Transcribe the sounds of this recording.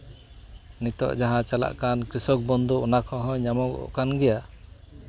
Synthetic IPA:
nit̪ɔ̰ʔd͡ʒaɦãt͡ʃala̰ʔkankɾisɔk̚bɔnd̪uːnakʰɔɦɔ̃ɲamɔɡɔ̰ʔɔ̰ʔkanɡɛja

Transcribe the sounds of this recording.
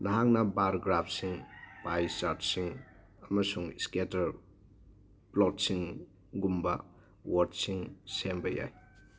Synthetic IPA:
naɦaŋnɐbaɾɡɾapʰsiŋpajsaɾtsiŋ | ɐmɐsuŋisketɐɾ | plɔtsiŋ | ɡumbɐ | waɾtsiŋsembɐja̰j

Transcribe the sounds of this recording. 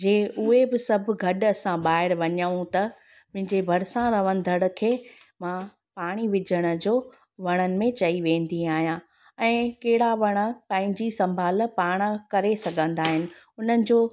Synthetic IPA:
d͡ʑeːʔʊɦebɪsɐbʱʊ̆ɡʱɐɗɐsãɓaːɦɪɾʋɐɲəũt̪ɐ | mʊ̃ɦɪ̃ɲd͡ʑebʱɐɾsãɾɐʋənɪ̆d̪ʱɐɽ̆kʰeː | mã | paːɽ̃iʋɪd͡ʑʱəɽ̃ə̆d͡ʑoː | ʋɐɽ̃ənɪ̆mẽt͡ɕɐiʋẽːnd̪iaːɦijã | ɛ̃ːkeɦɪɽaʋɐɽ̃ə̆pãːɦɪ̃ɲd͡ʑisɐ̃mbʱaːlpaːɽ̃ə̆kɐɾesɐɡʱə̃nd̪aːɦɪnɪ̆ | ʊn̤ənɪ̆d͡ʑoː

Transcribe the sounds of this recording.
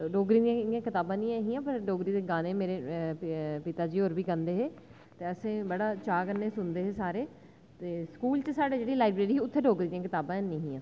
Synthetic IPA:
ɖoːɡɾiːd̪ijãɪjãːkɪt̪aːbãːnĩːɛ̃ːɦĩːãːpəɾɖoːɡɾiːd̪eːɡaːnẽːmeːɾeː | pɪt̪aːd͡ʒiːɦoːɾbiːɡənd̪eːɦeː | t̪eːəsẽːbəɽaːt͡ʃaːkəneːsʊnd̪eːɦeːsaːɾeː | t̪eːskuːlt͡ʃəsaːɖeːd͡ʒeːɽiːlaːɪbɾeːɾiːʊt̪ʰːeːɖoːɡɾiːd̪iãkɪt̪aːbãːnẽːɦĩːãː

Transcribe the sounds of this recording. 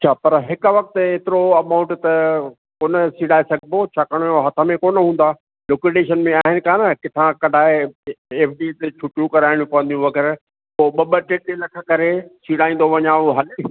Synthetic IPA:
t͡ʃʰaːpɐɾɦɪkʊʋɐk̚t̪eːt̪ɪɾoɐmãʊ̃ɳʈt̪ɐ | koːnəsiːɽaːesɐɡboːt͡ɕʰaːkɐɽ̃ɦɐt̪ʰə̆mẽkoːnɦũːnd̪aː | lokeɖeːʃənmẽaːɦɪnɪ̆kaːnɐkɪt̪ʰãkɐɖʱaːɪeːpʰɖit̪et͡ʃʰʊʈũkɐɾaːɪɽ̃ũpɐʋə̃nd̪ijũʋɐɡɛːɾ | oːɓɐɓəʈeːʈelɐkʰə̆kɐɾesiːɽaːĩːn̆d̪oʋɐɲãʊɦɐl

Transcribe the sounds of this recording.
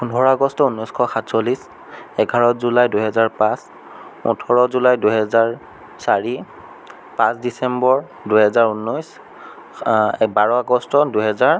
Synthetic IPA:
pundʱɔɹɔaɡɔstɔunːɔjskʰɔxatsolis | ɛɡʱaɹɔtzulajduɦɛzaɹpãs | ṵtʰɔɹɔzulajduɦɛzaɹ | saɹi | pãsdisɛmbɔɹ | duɦɛzaɹunːɔjs | baɹɔaɡɔstɔduɦɛzaɹ

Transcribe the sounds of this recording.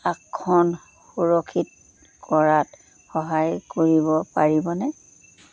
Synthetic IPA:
akʰːɔn | xuɹɔkʰit̚ | kɔɹat | xɔɦajkoɹibɔpaɹibɔnɛ

